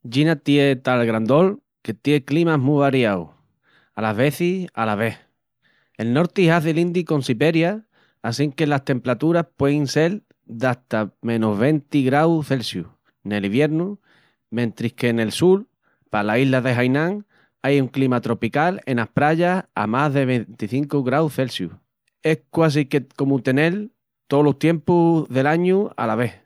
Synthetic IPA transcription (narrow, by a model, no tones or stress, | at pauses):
ɟ͡ʝinat̪jet̪alɣɾand̪o̞l | ke̞t̪je̞klimaɦmuβaɾjaw | alaɦβe̞θia̰laβ̞e̞h | e̞lno̞ɾt̪iɦaðelind̪ikõ̞nsiβe̞ɾjaː | siŋke̞last̪e̞mpɾat̪uɾahpwe̞inse̞l | d̪aht̪amẽ̞noɦβ̞e̞nt̪iɣɾawθe̞lsju | ne̞liβje̞ɾnu | mẽ̞nt̪ɾihke̞ne̞lsul | palaiɦlaðe̞ɦajnãŋ | ajuŋklimat̪ɾo̞pikale̞̰nahpɾaʎasa̰maɦðe̞β̞e̞nt̪iθiŋkuɣɾawθe̞lsjṵh | e̞hkwas̬ikeko̞mut̪e̞ne̞l | t̪o̞loht̪je̞mpuðe̞laɲua̰laβ̞e̞h